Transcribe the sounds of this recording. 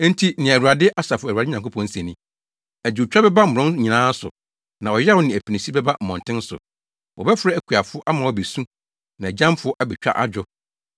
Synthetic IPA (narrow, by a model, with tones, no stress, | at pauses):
n̩˦tʰi˦nɪ̃˨æ˨wu˨a˨dɪ˦ʔa˦sa˨fʊ˦æ˨a˨dɪ˦ɲã˨ŋko˦pʰɔ̃˨n̩˦sɛ˨nĩ˦ | æ˨d͡ʑt͡ɕᶣa˦bɛ˦ba˦m̩˨ʊ̃˦ɲĩ˨nãː˦sʊ̰˨ | nã˨ɔ˨jɛ˦wʊ˦nɪ̃˨æ˨pʰi˨nĩ˨si˦bɛ˦ba˦m̩˨mɔ̃˨n˨tʰɪ̃˦n˦sʊ̰˨ | wɔ˨bɛ˦fɾɛ˦æ˨kʰu˨a˨fʊ˦ʔa˦mã˨wɔ˨be˨sũ˦ | nã˨d͡ʑã˦mfʊ˦ʔa˦bɛ˨t͡ɕᶣa̰˦ʔa̰˦d͡ʑᶣɔ˦